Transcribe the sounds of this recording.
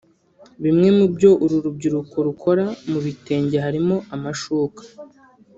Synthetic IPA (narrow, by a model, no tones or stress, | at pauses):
βimŋe̞mubɟo̞ʔuɾuɾub̚ɟiɾuko̞ɾukʰo̞ɾamuβite̞ːɲɟehaɾimo̞amaʃuːkḁ